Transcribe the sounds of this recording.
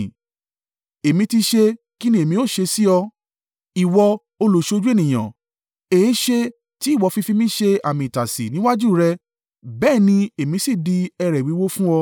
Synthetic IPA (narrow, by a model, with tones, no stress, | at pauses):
e˨mĩ˧ti˧ʃe˧ | ki˦nĩ˦e˨mĩ˧˦o˦˨ʃe˧si˦ɔ˧ | i˨wɔ˧ | o˧lo˨ʃd͡ʒu˦e˦˨nĩ˨j̃ã̰˨ | e˨˦ʃe˧ | ti˦i˦˨wɔ˨˧fi˧fi˦˧mĩ˦ʃe˧a˨mĩ˧˨i˨ta˨sḭ˨nĩ˨˦wa˦d͡ʒu˦˨ɾɛ˧ | bɛː˦˨nĩ˧e˨mĩ˧si˦˨di˧ɛ˧ɾɛ˨wi˨˦wo˦fũ˦ɔ˧